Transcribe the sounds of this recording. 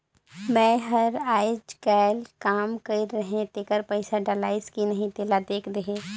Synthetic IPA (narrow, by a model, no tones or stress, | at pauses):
mɛ̃ːɦɐɾaːɪd͡ʒkɛːlkaːmkɐiɾɐɦẽt̪eːkəɾpɐɪsaɖalaːɪskinɐɦĩt̪eːlad̪eːkʰd̪ɐɦẽː